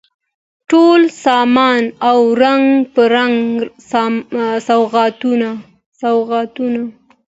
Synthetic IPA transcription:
ʈolsɑmɑnawɾaŋɡpəɾaŋssawɣɑt̪una | sawɣɑt̪una

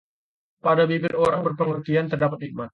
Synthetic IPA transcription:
padabibɪloɾaŋbərpəŋərt̪iant̪ərdapat̪̚ik̚mat̪̚

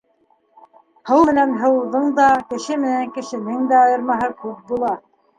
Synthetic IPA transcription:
hɤwmɘ̆nænɦɤ̆wðɤɴd̪ɑkɘ̆ʃɘmɘ̆næŋkɘ̆ʃɘ̆nɘŋd̪æɑjɤ̆ɾmɑɦɤkʉp̚bulˠɑ

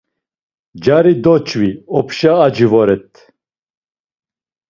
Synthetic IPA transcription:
d͡ʒaɾid̪ɔt͡ʃʰʼviɔpʰʃaːd͡ʒivɔɾɛt̪ʰʼ

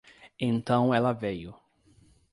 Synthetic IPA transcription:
ẽnt̪ɐ̃w̃ɛlɐvejʊ

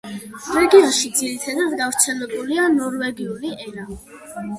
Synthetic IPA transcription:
vɛɡiaʃid̪ziɾit̪ʰad̪ad̪ɡavɾt̪sʰɛlɛbulianɔɾvɛɡiuliɛɾa

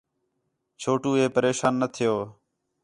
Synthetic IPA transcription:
t͡ʃʰoːʈuːeːpəɾeːʃaːnːət̪ʰɪjoː

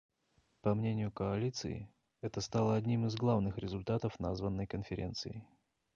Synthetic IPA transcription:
pɐmnʲenʲɪjʊkəɐlʲit̪sɨ̰ɪ̰ | ɛt̪əst̪alˠəɐdʲnʲimɨzɡlˠavnɨxɾʲɪzʊlʲt̪at̪əfna̰zvənːəjkənfʲɪɾʲent̪sɨɪ

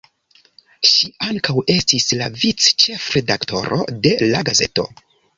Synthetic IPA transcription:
ʃiaŋkawe̞stislavit͡st͡ʃe̞fɾe̞dakto̞̰ɾo̞̰de̞laɡaze̞̰to̞

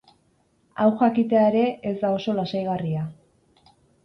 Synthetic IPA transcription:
awxakit̪e̞aeɾe̞ʔesd̪ao̞so̞lasajɣaria

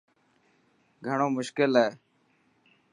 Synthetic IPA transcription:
ɡʱəɳ̃oːmʊʃkɪlɦɛː

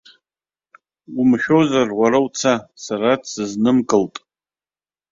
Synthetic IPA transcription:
umʃᶣozarwʷaɾawt͡sʰasaɾadsɨznɨmkʼɨltʼ

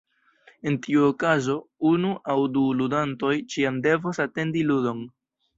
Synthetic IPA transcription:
e̞ntiuokazo̞unuʔawduludanto̞jt͡ʃiamde̞vosate̞ndiludo̞n

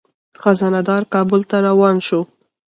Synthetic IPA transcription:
xazɑnad̪ɑɾkɑbʊlt̪aɾawɑnʃo

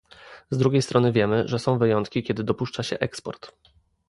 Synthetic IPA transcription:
zd̪ɾuɡʲejst̪ɾɔnɘvʲjɛmɘʐɛsɔ̃w̃vɘjɔnt̪kʲikʲɛd̪ɘd̪ɔpuʂt͡ʂaɕɛ̰ʔɛkspɔ̰ɾt̪

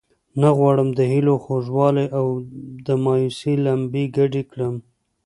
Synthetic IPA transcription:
naɣwɑɽəmd̪əhiloxoʒwɑlajʔawd̪əmɑjusilambiɡaɖikɽəm

